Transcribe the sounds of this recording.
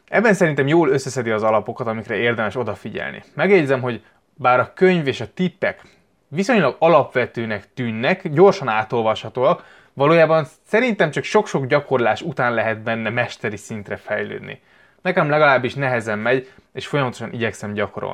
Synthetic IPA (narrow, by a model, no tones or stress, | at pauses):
ɛbːɛnsɛɾint̪ɛmjoːlø̞sːɛsɛd̪iɒzɒlɒpo̞kɒt̪ɒmikrɛeːrd̪ɛmɛʃo̞d̪ɒfiɟɛ̰lnḭmɛɡɛɟzɛmɦo̞ɟ | baːɾɒkøɲveːʃɒt̪ipːɛ̰k | ʋiso̞ɲlɒɡɒlɒpʋɛt̪øːnɛkt̪yːnːɛkɟo̞rʃɒnaːt̪o̞lvɒʃhɒt̪oːɒk | ʋɒloːjaːbɒnsɛɾint̪ɛmt͡ʃɒkʃo̞kʃo̞ɡɟɒko̞rlaːʃut̪aːnlɛɦɛt̪̚bɛnːɛmɛʃt̪ɛɾisint̪rɛfɛjlø̰ːd̪nḭ | nɛkɛmlɛɡɒlaːbːiʃnɛɦɛzɛmːɛɟeːʃfo̞jɒmɒt̪o̞ʃɒnʔiɟɛksɛmɟɒkoɾo̰lni